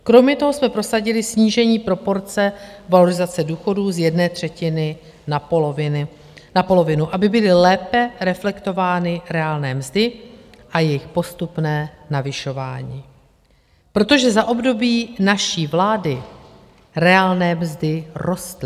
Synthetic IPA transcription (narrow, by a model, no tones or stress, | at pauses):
kɾo̞mɲɛt̪o̞ɦo̞smɛpɾo̞saɟɪlɪsɲiːʒɛɲiːpɾo̞po̞ɾt͡sɛvaloɾɪzat͡sɛduːxo̞duːzjɛdnɛːt̪r̝̥ɛcɪnɪ | navɪ | napo̞lo̞vɪnuʔabɪbɪlɪlɛːpɛɾɛflɛkt̪o̞vaːnɪɾɛaːlnɛːmzdɪ | ʔajɛjɪxpo̞st̪upnɛːnavɪʃo̞va̰ːɲiː | pɾo̞t̪o̞ʒɛzaʔo̞bdo̞biːnaʃiːvlaːdɪ | ɾɛaːlnɛːmzdɪro̞st̪lɪ